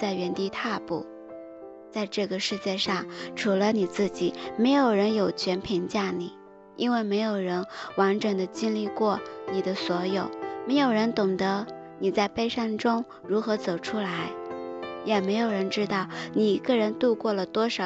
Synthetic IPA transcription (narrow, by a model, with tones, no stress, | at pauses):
t͡sa˥˩ɪɥɛ˧˥nt̪i˥˧t̪ʰa˥˧pṵ˥˩ | t͡sa˥˧ɪʈ͡ʂɤ˥˩ɡə˩ʂɻ̩˥˧t͡ɕjɛ˥˧ʂɑ˥˩ŋʈ͡ʂʰu˧˥lə˧ni˨˩t͡sɹ̩˥˩t͡ɕi˨˩me˧˥ɪjo˨˩ʊɻə˧˥njo˨˩ʊt͡ɕʰɥɛ˧˥npʰi˧˥ŋt͡ɕja˥˩ni˨˩˦ | i˥nwe˥˩ɪme˧˥ɪjo˨˩ʊɻə˧˥nwa˧˥nʈ͡ʂə˨˩ŋd̪ə˦t͡ɕi˥nli˥˧kwɔ˥˩ni˨˩d̪ə˦swɔ˧˥jo˨˩˦ʊme˧˥ɪjo˨˩ʊɻə˧˥nt̪ʊ˨˩ŋd̪ə˧˥ | ni˨˩t͡sa˥˧ɪpe˥˧ɪʂa˥˩ŋʈ͡ʂʊ˥ŋ | ɻu˧˥xɤ˧˥t͡so˨˩ʊʈ͡ʂʰu˥la˧˥ɪjɛ˨˩me˧˥ɪjo˨˩ʊɻə˧˥nʈ͡ʂɻ̩˥t̪ɑ˥˩ʊni˨˩i˧˥ɡə˥˧ɻə˧˥nt̪u˥˧kwɔ˥˩lə˩t̪wɔ˥ʂɑ˨˧